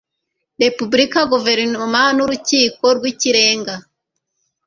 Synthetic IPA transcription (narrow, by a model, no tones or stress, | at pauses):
ɾe̞pubɾikaɡuve̞ɾnomanuɾuciːko̞ɾɡwiciɾe̞ːŋɡa